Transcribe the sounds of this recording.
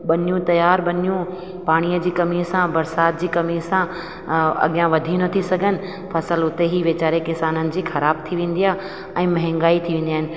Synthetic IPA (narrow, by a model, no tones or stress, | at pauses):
ɓɐnjũt̪ɐjaːɾɓɐnijũ | paːɽ̃ijəd͡ʑiːkɐmisãbɐɾsaːt̪̚d͡ʑiːkɐmisã | ɐ̰ɠɪjãʋɐd̪ʱiːnət̪ʰisɐɡʱənɪ̆ | fʰɐsəlʊt̪eɦiʋet͡ɕaːɾekɪsaːnənɪ̆d͡ʑiːxɐɾaːb̚t̪ʰiʋẽːn̆d̪ija | ɛ̃ːmɐɦɛ̃ŋɡaːit̪ʰiʋẽːnd̪ijaːɦɪ̃nɪ̆